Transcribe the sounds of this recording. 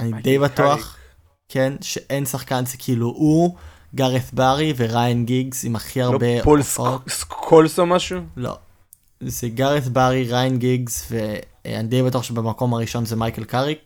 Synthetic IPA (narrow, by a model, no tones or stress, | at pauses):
anid̪ejbat̪uaχ | kʰenʃeʔensaχkanzekʰiiluʔu | ɡaʁeθbaʁive̞ʁajnɡiɡzimaχiaʁbepoloskʰolsomaʃulo̰ | zeɡaʁeθbaʁiʁajnɡiɡzvḛ | anid̪ejbatuaχʃebemako̞maʁiʃo̞nzemajkelkaʁik